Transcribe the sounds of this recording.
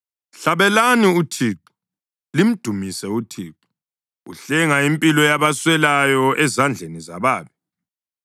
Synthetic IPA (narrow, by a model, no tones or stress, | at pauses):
ɬaβɛlaniutʰiːǃu̥ | lim̩d̥ʱumisɛutʰḭːǃu | ṵɬɛŋaimpʼilɔjaβaswɛlajɔʔɛzand͡ɮʱeniza̰βaːβi